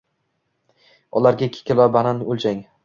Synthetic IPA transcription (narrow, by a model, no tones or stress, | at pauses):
ɒlaɾɡʲakʲʰe̥kʲʰɪlˠvabananolˠd͡ʒaŋ